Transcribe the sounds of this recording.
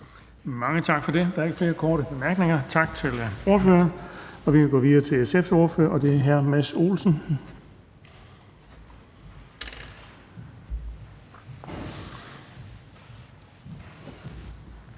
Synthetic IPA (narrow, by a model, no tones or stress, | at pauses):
mɑ̈ŋət͡sʰɑ̈ɡ̥fɒ̽de̝d̥ɑ̈ɐe̝ɡ̥əfle̝ːɐkʰɒːɾəb̥e̝mæɐɡ̥neŋɐt͡sʰɑ̈ɡ̥̚t͡sʰe̝lo̝ɐføːɐnɒ̽ʋikʰæɡ̥ɔ̰ːʋiðˠɐːt͡sʰe̝lesefso̝ɐfø̰ɐ̰ʔɒ̽d̥e̝æɐɦæɐ̰mæso̝̰ːlsn̩